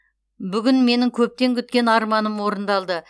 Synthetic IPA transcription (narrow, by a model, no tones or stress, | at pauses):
bʏɡʲʏnme̞nɪŋkʲʰɵp̚t̪e̞ŋkʲʰʏt̪̚kʲe̞nɑɾmɑnəmwo̞ɾənd̪ɑlˠd̪ə